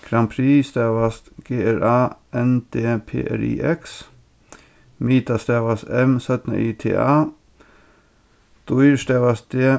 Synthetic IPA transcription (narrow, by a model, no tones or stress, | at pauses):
kʰɾɑmpʰɾiːst̪æːʋɑst̪ɡ̥eːæɾɑːɛnd̪ʰeːpʰḛːʔæ̰ɾḭːʔɛks | miːt̪ɑst̪eːʋɑsɛmsœt̪nə̰ʔiːt̪ʰḛːʔɑː | d̪̥ʊjʃt̪eːʋɑs̚d̪eː